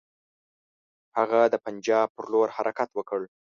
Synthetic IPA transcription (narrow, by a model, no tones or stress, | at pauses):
haɣad̪əpand͡ʒɑb̚pəɾloɾhaɾʔakat̪wəkəɭ